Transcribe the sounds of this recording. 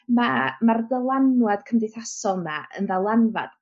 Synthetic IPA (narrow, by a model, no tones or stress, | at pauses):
mamardəlˠanwɛd̥kʰəmdejθasɔlˠnaə̰nðalˠanva̰d̥̚